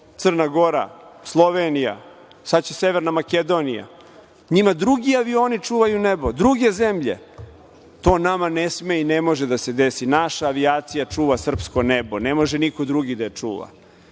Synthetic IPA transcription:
t̪sər̩naɡo̞ɾa̰slˠo̞ʋenija̰ | sat͡ɕese̞ʋeɾnamake̞d̪o̞nija̰ | ɲimad̪ɾuɡiaʋio̞ːnit͡ʂuːʋajunebod̪ɾuɡe̞ze̞mʎe̞̰ | t̪o̞ːnamanesmeine̞mo̞ʒed̪ased̪e̞sinaʃaːʋiaːt̪sijat͡ʂuːʋasr̩psko̞nebo̞ne̞mo̞ʒenikod̪ɾuɡid̪ajet͡ʂṵːʋa̰

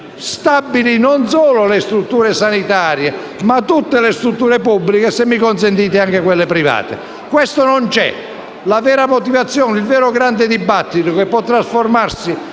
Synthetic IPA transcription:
st̪abːilinonsɔːlolest̪ɾut̪ːuːɾesanit̪aːɾje | mat̪ːut̪ːelest̪ɾut̪ːuːɾepubːlikesemːikons̬ent̪iːt̪̬eaŋkekwelːepɾiva̰ːt̪ḛ | kwest̪onont͡ʃɛ̰ | lavɛːɾamot̪ivat̪sːjɔːnilvɛːɾʊɡɾand̪ɪd̪ibːat̪ːit̪okepːɔt̪ːɾasformarsi

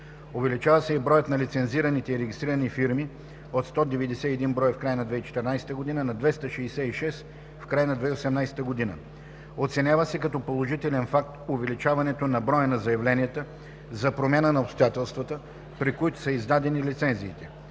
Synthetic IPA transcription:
ovɛlit͡ʃavəsɛibɾɔjət̪nɐlit̪sɛnziɾənit̪ɛiɾɛɡ̟ʲist̪ɾiɾənifiɾmi | ot̪st̪ɔd̪ɛvɛd̪ɛsɛɛd̪inbɾɔjəfkɾajənɐd̪vɛit͡ʃɛ̥t̪ɛɾnajsɛ̥t̪əɡod̪inənɐd̪vɛst̪əʃɛːsɛiʃɛs | fkɾajənɐd̪vɛiosɛmnajsɛ̥t̪əɡod̪inə̰ | ot̪sɛnʲjavəsɛkɐt̪ɔpolˠoʒit̪ɛlɛnfak̚t̪ʊvɛlit͡ʃavɐnɛt̪onɐbɾɔjənɐzɐjɐvlɛnijət̪ə | zɐpɾomʲjanənɐopst̪ojat̪ɛlˠst̪vət̪ə | pɾikoit̪ʊ̥sɐizd̪ad̪ɛnilʲit̪sɛnziːt̪ɛ

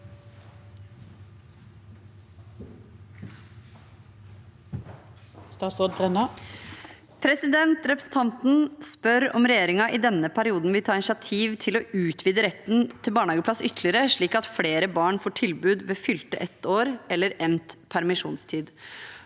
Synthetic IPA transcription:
st̪ɑːt̪soːd̪̚bʁɛnɑ | pʰɾɛsɪd̪ɛnt̪ɾɛpɾəsn̩t̪ʰɑnt̪n̩spœɾɔmɾɛjeːɾɪŋɑʔɪd̪ɛnːəpʰæɾɪuːd̪n̩ʋɪlt̪ʰɑːɪnsʂɪɑt̪ʰiːʋt̪ʰɪloʉːt̪ʰʋiːd̪əɾɛt̪ːnt̪ʰɪlbɑːɳhɑːɡəpʰlɑsʏt̪əlɪəɾəʂɭiːkɑt̪fleːɾəbɑːɳfoːʈʰɪlbʉːd̪ʋeːfʏlt̪ə̰ʔɛt̪ːoːɾɛlːəɾɛmt̪pʰæɾmɪʂṵːnst̪ʰiːd̪

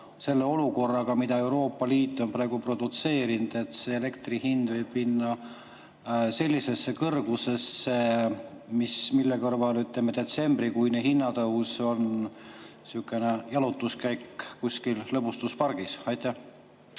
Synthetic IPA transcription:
se̞lːe̞o̞luko̞rːɑɡ̥ɑmid̪̥ɑe̞wɾo̞ːpːɑliːt̪ːˑo̞npɾɑeɡ̥upro̞d̪̥ut̪se̞ːɾind̪̥e̞t̪se̞ele̞kt̪rihind̪vɤjb̥minːɑ | se̞lʲːise̞sːe̞kɤrɡ̥use̞se | mismilːe̞kɤrvɑlyt̪ˑlemːed̪̥e̞t̪se̞mbrikujnehinːɑt̪ɤwso̞n | sukːˑene̞jɑlut̪ːˑuskæjkːkusʲkillɤbust̪uspɑrɡ̥isɑjt̪ːˑæ

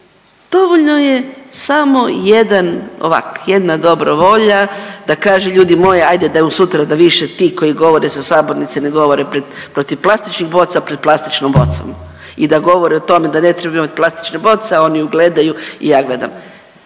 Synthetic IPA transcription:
d̪̥o̞ʋoʎno̞jesamo̞jed̪ano̰ʋa̰kjed̪nad̪o̞bɾoʋo̞ʎad̪̥akaːʒeʎuːd̪imo̞jeajd̪ed̪ausut̪ɾad̪aʋiʃet̪iːko̞jiɡo̞ʋo̞ɾesasaːbo̞ɾnit̪seneɡo̞ʋo̞ɾepɾed̪pɾo̞t̪iʋplˠast̪it͡ʃnixbo̞t̪sapɾeplˠast̪it͡ʃnombo̞̰t̪so̰m | id̪aɡo̞ʋo̞ɾeot̪o̞me̞d̪ane̞t̪ɾebaimat̪̚ʲplast̪i̥t͡ʃnebo̞t̪seao̞niuɡle̞d̪ajuḭjaːɡle̞d̪a̰m

